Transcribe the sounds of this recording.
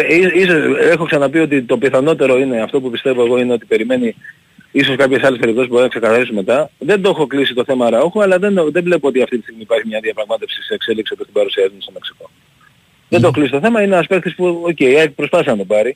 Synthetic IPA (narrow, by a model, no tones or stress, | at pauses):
isisosexo̞ksɐnɐpio̞t̪̬it̪o̞piθɐno̞t̪e̞ɾo̞ine̞ɐft̪o̞pupist̪e̞vo̞eɣo̞ine̞o̞t̪ipe̞ɾime̞ni | iso̞skɐpçe̞sɐlepe̞ɾip̚t̪osisbo̞ɾinɐkse̞kɐθɐɾisome̞t̪ɐðe̞nd̪o̞xo̞klisit̪o̞θe̞mɐɾɐoxuɐlɐðe̞nðe̞le̞poo̞t̪iɐft̪it̪ist̪iɣmiːpɐɾçimɲɐðiɐpɾɐɣmɐt̪e̞fsiseːkse̞liksiopiost̪ibɐɾusiɐzunst̪o̞me̞ksi̥ko̞ | ðe̞nd̪oklist̪oθe̞mɐineɐspektθispuoce̞jɐpɾo̞spɐθisɐnɐt̪obɐɾi